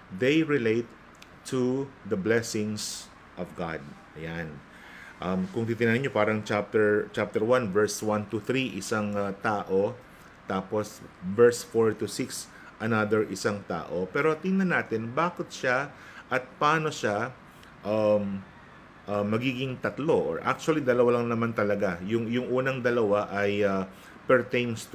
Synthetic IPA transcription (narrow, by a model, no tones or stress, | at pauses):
d̪ejɹɪlejt̪ː | uðɐblɛsɪ̃ŋs | ʔɔvɡa̰d̪̚ʔɐjan | ʔɐmkʊŋt̪iːt̪ɪnanɪɲo̞paːɾɐŋt͡ʃap̚t̪ɛɹt͡ʃap̚t̪ɛɹwanvɛɹswãnt̪ʊθɾiʔɪsaŋt̪aːʔo̞ | t̪aːposvɛɹsfoɹt̪ʊsɪks | ʔɐnad̪ɛɹʔɪsaŋt̪a̰ːʔopɛːɾo̞t̪ɪŋnɐnaːt̪ɪnbaːkɪt̪̚ʃa | ʔɐt̪̚paːno̞ʃa | ʔam | ʔɐmːɐɡiːɡɪŋt̪ɐt̪lo̞ʔo̰ɹʔa̰k̚t͡ʃʊɐlid̪ɐlɐwalɐŋnɐmant̪ɐlɐɡajʊŋjʊŋʔuːnɐŋd̪ɐlɐwaʔɐjɐ | pɛɹt̪ejmst̪